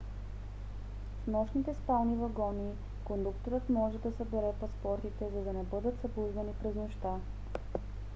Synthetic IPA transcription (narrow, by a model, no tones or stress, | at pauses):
fnɔʃnit̪ɛspalˠnivɐɡɔni | kond̪ukt̪oɾɤt̪mɔʒɛd̪ɐsəbɛɾɛpɐspɔɾt̪it̪ɛzɐd̪ɐnɛbɤd̪ət̪zɐbluznɐnipɾɛznɔʃt̪a